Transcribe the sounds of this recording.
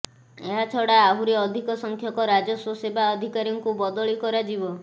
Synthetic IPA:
eɦat͡ʃʰɔɽaːɦuɾeɔd̪ʱikɔsɔŋkʰjɔkɔɾad͡ʒɔsosebʱaɔd̪ʱikaɾjɔŋkubɔd̪ɔɭikɔɾad͡ʒibɔ

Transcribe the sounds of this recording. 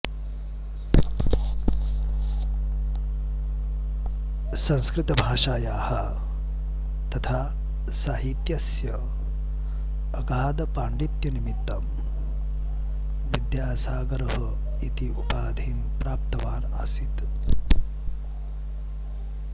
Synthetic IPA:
sɐnskɾit̪ɐbʱaːʂaːjaːhɐ | t̪ɐt̪ʰaː | saːɦit̪jɐsjɐ | ɡaːd̪ɐpaːɳɖit̪jɐnimit̪ːɐm | ʋid̪jaːsaːɡɐɾɐɦɐ | it̪iupaːd̪ʱiːmpɾaːp̚t̪ɐʋaːnaːsit̪

